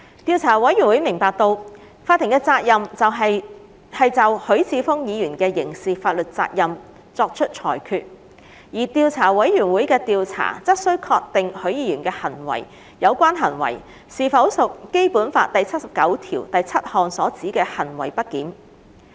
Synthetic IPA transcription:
t̪iː˧wt͡sʰaː˨˩wɐ˨˥jy˨˩nwu˨˥jmɪ˨˩ŋpaː˨˧k̚t̪o˧w | faː˧t̪̚ʰːɪ˨˩ŋkɛː˧t͡saː˧k̚jɐ˨mt͡sɐ˨wɦɐ˨j | hɐ˨jt͡sɐ˨whɵ˨˥ɥt͡sʰiː˨˧fʊ˥ŋjiː˨˧jyː˨˩nkɛː˧jɪ˨˩ŋsiː˨˩faː˧t̚lɵ˨t̚t͡saː˧k̚jɐ˨m | t͡sɔː˧k̚t͡ʃʰɵ˥t̚t͡ʃʰɔ̰ː˨˩jkʰyː˧t̚ | jiː˨˩t̪iː˧wt͡sʰaː˨˩wɐ˨˥jːy˨˩nwuː˨˥jkɛː˧t̪iː˧wt͡sʰa̰ː˨˩t͡sɐ˥t̚sɵ˥ɥkʰɔː˧k̚t̪ɪ˨ŋhɵ˨˥ɥjiː˨˧jyː˨˩nkɛː˧hɐ˨˩nwɐ̰˨˩j | jɐ˨˧wkʷaː˥nɦɐ˨˩nwɐ̰˨˩j | siː˨fɐ˨˥wsʊ˨k̚ke˥jpuː˨˥nfaː˧t̚t̪ɐ˨jt͡sʰɐ˥t̚sɐ˨p̚kɐ˨˥wt̪ʰḭː˨˩wt̪ɐ˨jt͡sʰɐ˥t̚hɔː˨˧ŋsɔː˨˥t͡siː˨˥kɛː˧hɐ˨˩nwɐ̰˨˩jpɐ˥t̚kiː˨˥n

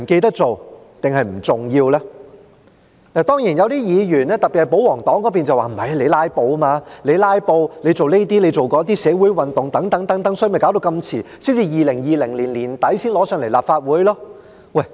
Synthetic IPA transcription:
m̩˨˩ke˧t̪ɐ˥k̚t͡so˨w | t̪ɪ˨ŋhɐ˨jm̩˨˩t͡sʊ˨ŋjiː˧wlɛː˥ | naː˨˩t̪ɔː˥ŋjiː˨˩njɐ˨˧wt̪iː˥jiː˨˧jyː˨˩nɛː˥t̪ɐ˨˩pːi˨thjp̬o˨˥wɔː˨˩ŋt̪ɔː˨˥ŋkɔː˨˥p̬iː˨nt͡sɐ˨waː˨˩m̩˨˩hɐ˨˩jle˨˧jlaː˥jpo˧wɐ˥maː˧le˨˧jlaː˥jpo˧wle˨˧jt͡so˨wne˥t̪iː˥le˨˧jt͡so˨wkɔː˨˧˥t̪iː˥sɛː˨˥wuː˨˥jwɐ˨˧nt̪ʊ˨ŋt̪ɐ˨˥ŋt̪ɐ˨˥ŋt̪ɐ˨˥ŋt̪ɐ˨˥ŋsɔː˧˥˧m˨˩ka˨˥wd̪o˧wkɐ˧mt͡sʰiː˨˩siː˥nt͡si˨˧jiː˨˩lɪ˨˩ŋjiː˨˧lɪ˨˩ŋliː˨˩nliː˨˩nt̪ɐ˨˥jsiː˥nlɔː˨˥sœː˧ŋle˨˩jlaː˨pfaː˧t̚wuː˨˥jlɔː˥ | wɐ˥˩j

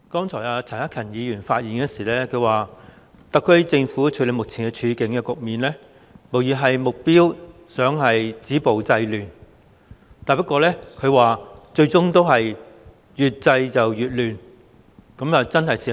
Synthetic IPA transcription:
kɔː˥ŋt͡sʰɔː˨˩aː˧t͡sʰɐ˨˩nɐ˥kʰɐ˨˩njiː˨˧jyː˨˩nfaː˧t̚jiː˨nkɛ˧siː˨˩lɛː˥kʰɵ˨˧ɥwaː˨ | t̪ɐ˨kʰːɵ˥jt͡sɪ˧ŋfu˨˥t͡ʃʰɵ˨˥le˨˧jmʊ˨k̚t͡sʰiː˨˩ŋɛ˧t͡ʃʰyː˨˧kɪ˨˥ŋkɛː˧kʊ˨k̚miː˨nlɛː˥ | mo˨˩wjyː˨˩ɦɐ˨jmʊ˨k̚piː˥wsœː˨˥ŋɦɐ˨jt͡siː˨˥po˨wt͡sɐ˧jlyː˨n | t̪aː˨jpɐ˥t̚kʷːɔː˧lɛː˥kʰɵ˨˧ɥwaː˨˩t͡ʃɵ˧ɥt͡sʊ˥ŋt̪o˥wɦɐ˨j | jyː˨t̚t͡sɐ˧jt͡sɐ˨wjyː˨t̚lyː˨n | kɐ˨˥mjɐ˨wt͡sɐ˥nhɐ˨jsiː˨

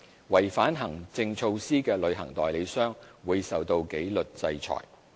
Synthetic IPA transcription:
wɐ˨˩jfaː˨˥nɦɐ˨˩ŋt͡sɪ˧ŋt͡sʰo˧wsiː˥kɛː˧lɵ˨˧ɥɦɐ̰˨˩ŋt̪ɔː˨jle˨˧jsœː˥ŋwuː˨˧jsɐ˨wt̪o˧wke˨˥jlɵ˨t̚t͡sɐ˧jt͡sʰɔ̰ː˨˩j

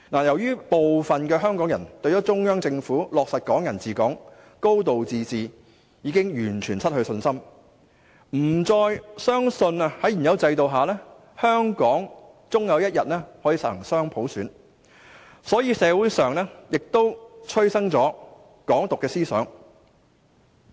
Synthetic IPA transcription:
naː˨˩jɐ˨˩wjyː˥po˨wfɐ˨nkɛː˧ɦœː˥ŋkɔː˨˥ŋjɐ˨˩nt̪ɵ˧ɥjɔ˨˥t͡sʊ˥ŋjœː˥ŋt͡sɪ˧ŋfuː˨˥lɔː˨k̚sɐ˨t̚kɔː˨˥ŋjɐ˨˩nt͡siː˨kɔː˨˥ŋ | ko˥wt̪o˨wt͡siː˧t͡siː˨ | jiː˨˥kɪ˥ŋjyː˨˩nt͡ʃʰyː˨˩nsʰɐ˥t̚hɵ˧sɵ˧nsɐ˥m | m̩˨˩t͡sɔː˧jsœː˥ŋsɵ˧nɐ˧hɐ˨˥jy˨˩njɐ˨˧wt͡sɐ˧jt̪̬o˨˧wɦaː˨lɛː˥ | hœː˥ŋkɔː˨˥ŋ | t͡sʊ˥ŋjɐ˨˧wjɐ˥t̚jɐ˨t̚ɛː˥hɔː˨˥jiː˨˧sɐ˨˩˨ŋsœː˥ŋpʰo˨˥wsyː˨˥n | sɔː˨˥jiː˨˧sɛː˨˧wuː˨˥jsœː˨ŋlɛː˥jɪ˨k̚t̪o˥wt͡sʰɵ˥ɥsɐ˥ŋt͡sɔː˨˥ | kɔː˨˥ŋt̪ʊ˨kːɛː˧siː˥sœ̰ː˨˥ŋ

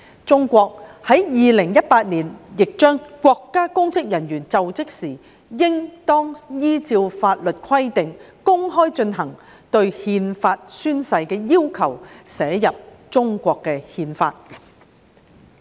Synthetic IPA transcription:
t͡sʊ˥ŋkʷɔː˧k̚hɐ˨˥jjiː˨˧lɪ˨˩ŋjɐ˥t̚paː˧t̚niː˨˩njɪ˨k̚t͡ʃœː˥ŋkʷwʷɔː˧kːaː˥kʊ˥ŋt͡sɪ˥k̚jɐ˨˩njyː˨˩nt͡sɐ˨wt͡sɪ˥k̚siː˨˩ | jɪ˥ŋt̪ɔː˥ŋjiː˥t͡siː˧wfaː˧t̚lɵ˨t̚kʰɐ˥jt̪ɪ˨ŋ | kʊ˥ŋɦɔː˥jt͡ʃɵ˧nɦɐ˨˩ŋ | t̪ɵ˧ɥhiː˧nfaː˧t̚syː˥nsɐ˧jkɛː˧jiː˥wkʰɐ˨˩wsɛː˨˥jɐ˨p̚ | t͡ʃʊ˥ŋkʷɔː˧kːɛ˧hiː˧nfaː˧t̚

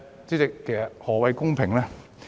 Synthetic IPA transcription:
t͡siː˥t͡sɪ˨kʰːe˨˩jsɐ˨t̚hɔː˨˩wɐ˧jkʊ˥ŋpʰɪ˨˩ŋlɛː˥

